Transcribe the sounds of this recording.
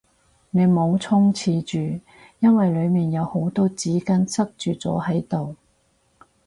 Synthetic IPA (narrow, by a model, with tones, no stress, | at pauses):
ne˨˧jmo˨˧wt͡sʰʊ˥ŋt͡sʰiː˨˧t͡ʃyː˨˩ | jɐ˥nwɐ˨jlɵ˨˧ɥmiː˨njɐ˨˧who˨˥wt̪oː˥t͡siː˨˥kɐ˥nsɐ˥k̚t͡ʃyː˨˩t͡sɔ̰ː˨˥hɐ˨˥jt̪o˨w